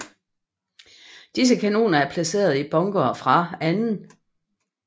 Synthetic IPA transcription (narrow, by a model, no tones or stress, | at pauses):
d̥is̬əkʰæno̝̰ːnɐæɐpʰlæse̝̰ːɐð̞̩ˠib̥ɒ̽ŋɡ̥ofʁɑ̈ænn̩